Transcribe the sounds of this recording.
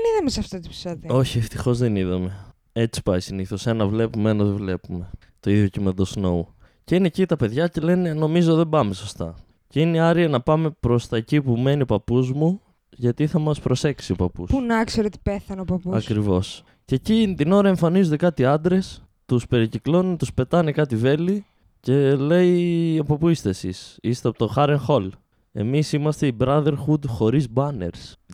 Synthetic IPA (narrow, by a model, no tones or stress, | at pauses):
eniðɐmesɐft̪ɐt̪i̥psɐðio̞çieft̪ixo̞zðeniðɐme̞ | e̞t͡si̥pɐisiniθo̞se̞nɐvle̞pumeenɐðevle̞pume̞ | t̪o̞iðjocimend̪osnou | ce̞inecit̪ɐpe̞ðʝɐce̞le̞ne̞no̞mizo̞ðe̞bɐme̞so̞st̪ɐ̰ | ceiniɐɾiɐnɐpɐme̞pɾo̞st̪ɐecipume̞nio̞pɐpuzmu | ʝɐt̪iθɐmɐspɾo̞se̞ksio̞pɐ̰pṵspunɐkseɾet̪i̥peθɐnopɐpuɐkɾivo̞s | cecinit̪ino̞ɾɐe̞ɱfɐnizod̪ekɐt̪iɐnd̪ɾe̞s | t̪uspe̞ɾiciklo̞nut̪uspe̞t̪ɐnekɐt̪ive̞li | ce̞le̞iɐpo̞puist̪e̞sḭsist̪eɐpot̪oxɐɾeŋxo̞l | e̞̰misimɐst̪e̞ibɾɐðe̞ɾxud̪xo̞ɾizbɐne̞̰ɾs